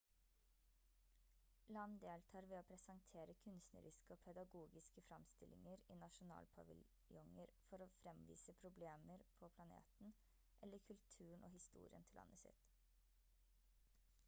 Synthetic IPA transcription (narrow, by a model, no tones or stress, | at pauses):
lɑnd̪eːlt̪ʰɑːɾʋeːoːpʰɾɛsɑŋt̪ʰeːɾəkʰʉnst̪nə̰ɾɪskəoːpʰɛd̪ɑɡuːɡɪskəfɾɑmst̪ɪlɪŋəɾiːnɑʃʊnɑ̰ːlpʰɑʋɪ̰l | jɔŋəɾfɔɾoːfɾɛmʋḭːsəpʰɾʊbleːməɾpʰɔpʰlɑnḛːt̪n̩ | ʔɛlːəɾkʰʉlt̪ʰʉːɳ̩o̰ːhɪst̪ṵːɾɪ̰ə̰nt̪ʰɪlɑ̰nːəsɪ̰t̪